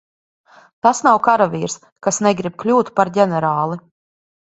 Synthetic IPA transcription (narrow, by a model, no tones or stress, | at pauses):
t̪asnawkaɾavʲiːɾs | kasnɛɡɾib̚klʲuːt̪paɾɟʲɛnɛɾaːlˠi